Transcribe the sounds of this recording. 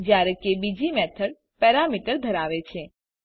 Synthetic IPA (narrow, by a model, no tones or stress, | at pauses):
d͡ʒjaɾekebid͡ʒimɛt̪ʰəɽ | pɛɾamiʈəɾd̪ʱəɾaʋet͡ʃʰe